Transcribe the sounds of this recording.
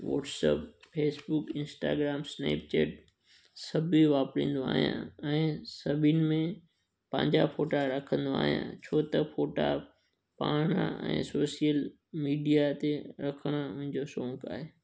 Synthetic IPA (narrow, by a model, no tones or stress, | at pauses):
ʋɔ̰ːʈsə̰pfeːsbʊkɪ̃nsʈa̰ːɡɾaːmsnḛːp̚t͡ɕeːʈ̚ | sɐbʱiʋaːpɾĩːn̆d̪oa̰ːɦijã̰ɛ̃ːsɐbʱinɪ̆mẽ | pɐ̰̃ɲd͡ʑafoːʈaɾɐkʰə̃nd̪oa̰ːɦijã̰t͡ɕʰoːt̪ɐfoːʈa̰ | paːɽ̃ã̰ɛ̰̃ːsoːsijəl | miːɖijat̪eɾɐkʰəɽ̃aʊ̃ɦɪ̃ɲd͡ʑosõːŋkaːɦeː